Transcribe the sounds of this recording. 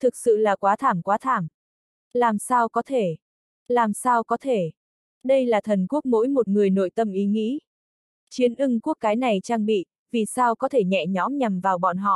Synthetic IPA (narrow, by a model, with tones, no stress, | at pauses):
t̪ʰɨ˨˩k̚sɨ̰˧˨laː˨˩kwaː˨˦t̪ʰaː˧˩mkwaː˨˦t̪ʰaː˧˩m | laː˨˩msaː˧wkɔ˨˦t̪ʰe˧˩ | laː˨˩msaː˧wkɔ˨˦t̪ʰe˧˩ | ɗə˧jlaː˨˩t̪ʰə˨˩nku˦˥ək̚mo̰˧˥jmo˨˩t̚ŋɨ˨˩əjno̰˧˨jt̪ə˧mʔi˨˦ŋḭ˧˥ | t͡ɕi˨˦ənʔɨ˧ŋku˦˥ək̚ːaː˨˦jna˨˩jt͡ɕaː˧ŋɓḭ˧˨ | vi˨˩saː˧wkɔ˨˦t̪ʰe˧˩ɲɛ̰˧˨ɲɔ˨˦mɲa˨˩mvaː˨˩wɓɔ̰˧˨nɦɔ̰˧˨